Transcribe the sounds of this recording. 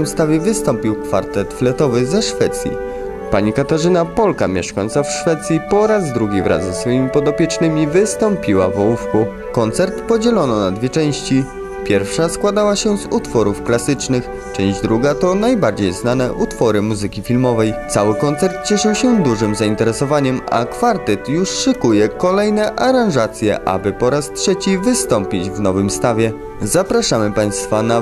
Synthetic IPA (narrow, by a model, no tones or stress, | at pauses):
ɛmst̪avʲjɛvɘst̪ɔmpʲiwkfa̰ɾt̪ɛt̪flɛt̪ɔvɘzɛʂfɛt̪sʲjḭ | paɲikat̪aʐɘnapɔlka̰mʲjɛ̰ʂkajɔnt̪safʂfɛt̪sʲjipɔɾazd̪ɾuɡʲivɾʔa̰zɛsfɔjimʲipɔd̪ɔpʲjɛt͡ʂnɘmʲivɘst̪ɔmpʲiwa̰vɔwufku | kɔnt̪sɛɾt̪pɔd͡ʑɛlɔnɔnad̪vʲjɛt͡ʂɛ̃w̃ɕt͡ɕi | pʲjɛɾfʂaskwad̪awaɕɛzut̪fɔɾufklasɘt͡ʂnɘx | t͡ʂɛ̃ʑd͡ʑd̪ɾuɡat̪ɔnajbaɾd͡ʑejznanɛʔut̪fɔɾɘmuzɘkʲifʲilmɔvɛjt̪sawɘkɔnt̪sɛɾt̪̚t͡ɕɛʂɘwɕɛd̪uʐɘmzaint̪ɛɾɛsɔvaɲɛma̰kfaɾt̪ɛt̪juʂʂɘkujɛkɔlɛjnɛʔaɾãʐat̪sʲjɛ̰ʔa̰bɘpɔɾastʂɛt͡ɕivɘst̪ɔmpʲid͡ʑvnɔvɘmst̪avʲjɛ | zapɾaʂamɘpaj̃st̪fana